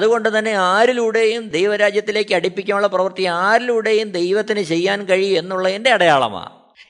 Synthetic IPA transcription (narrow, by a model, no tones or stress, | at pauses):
ɐðuɣo̞ɳɖɨt̪ɐnːe̞aːɾiluːɽe̞ːjumd̪ejʋɐɾaːd͡ʑjɐt̪ːile̞ːkːɨɐɽipːikʲːamuɭːɐprɐʋɐrt̪ijɐaːɾiluːɽe̞ːjumd̪e̞jʋɐt̪ːinɨt͡ɕe̞jːaːnkɐɻie̞nːuɭːɐende̞ɐɽɐjaːɭɐ̰ma̰ː